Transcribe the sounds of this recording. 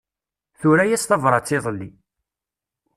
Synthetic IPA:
θuɾæjæst̪ɑvɾˤɑt͡sːɪðˤəlːi

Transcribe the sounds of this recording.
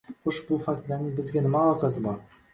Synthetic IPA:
χoʃbʊfak̚t̪lanɪŋbɪzɡʲanɪmalɒqɑzɪbɒɾ

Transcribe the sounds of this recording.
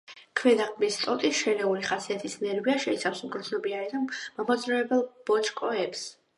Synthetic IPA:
kʰwɛd̪aχmist̪ʼɔt̪ʼisʃɛɾɛuliχasiat̪ʰisnɛɾviaʃɛit̪sʰafsumɡɾɔsɔbiaid̪amamɔd̪zɾɛɛbɛlˠb̥ɔt͡ʃʰʼkʼɔɛps

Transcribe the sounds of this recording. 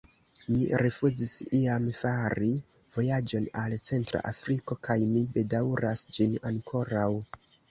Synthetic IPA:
miɾefuzisiamfaɾi | v̥o̞jad͡ʒo̞nalt͡se̞ntɾa̰ʔafɾiko̞kajmibe̞dawɾasd͡ʒinaŋkʰo̞ɾaw

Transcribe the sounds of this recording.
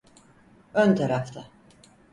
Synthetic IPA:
ønt̪ʰaɾaft̪ʰa

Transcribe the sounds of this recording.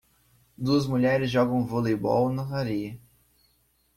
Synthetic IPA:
d̪uɐzmuʎɛɾɪzʒɔɡɐ̃w̃volejbɔ̰wnɐt̪aɾiɐ

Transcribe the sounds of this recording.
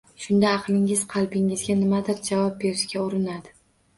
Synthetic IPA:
ʃʊnd̪aːqlˠɪŋɪz̥qʰɑlˠbɪŋɪzɡʲanɪmad̪ɪɾd͡ʒavɒp̚be̞ɾɪʃkʲaʊɾɪnad̪ɪ

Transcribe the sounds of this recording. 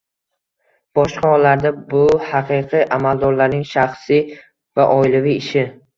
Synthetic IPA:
b̥ɒʃqʰaɔlːaɾd̪abʊhaqʰɨqʰiʔamalˠd̪ɒɾlaɾnɪŋʃaχsi | vaʔɒjlaviɪʃɪ

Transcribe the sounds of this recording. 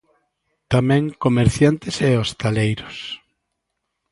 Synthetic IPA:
t̪amɛ̃ŋkomeɾθjant̪ɪseost̪alejɾʊs

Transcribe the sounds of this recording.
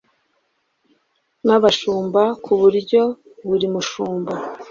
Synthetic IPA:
naβaʃuːmbakʰuβuɾɟo̞ | βuɾimuʃuːmba

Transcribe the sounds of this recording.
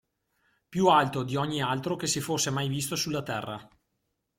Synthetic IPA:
pjualt̪od̪iɔɲːialt̪ɾokesifosːemajvist̪osulːat̪ɛrːa

